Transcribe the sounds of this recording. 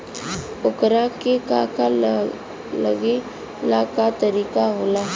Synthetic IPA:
ʊkɾakekaka | ləɡe | lakat̪əɾiːkaɦoːlaɦ

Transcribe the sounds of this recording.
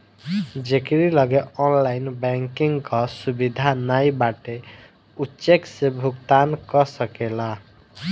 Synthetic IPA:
d͡ʒekɾilʌɡeɔnlajnbɛŋkiŋɡkʌsubid̪ʱanajbaʈe | utːt͡ʃeksebʱukt̪ankɔsəkela

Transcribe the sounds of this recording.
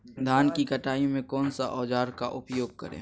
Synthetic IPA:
d̪ʱaːnkikɐʈaːimẽkɔːnsa̰ʔɔːd͡ʒaːɾkaʔʊpjoːɡ̚kə̰ɾḛː

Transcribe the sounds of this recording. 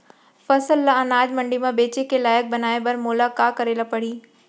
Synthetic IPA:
fɐsəlːaɐnaːd͡ʑmɐ̃ɳɖimãbeːt͡ɕekelaːjək̚bɐnaːebɐɾmoːlakaːkɐɾeːlapɐɽ̤iː

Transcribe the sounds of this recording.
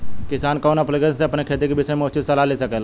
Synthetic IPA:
kɪsaːnkɔːnɐplɡeseɐpnekʰeːt̪ekebɪsəemoːt͡ʃɪsɐlalesɐkeːla

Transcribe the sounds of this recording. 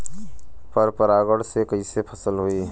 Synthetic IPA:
pəɾpəɾaːɡəɽsekəisepʰəsəlɦoiː

